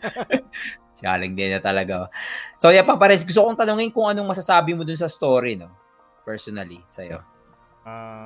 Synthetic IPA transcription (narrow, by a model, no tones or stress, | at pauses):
sɪa̰ːlɐŋd̪ɛnɐt̪ɐlɐɡasoːjɐpɐpɐɾɛnsɡʊs̬t̪okoŋt̪ɐnoŋɪnkʊŋʔɐnoŋmɐsasaːbɪmod̪ʊnsɐst̪oːɾino̞ | pɛɹsonɐlisɐjo̞̰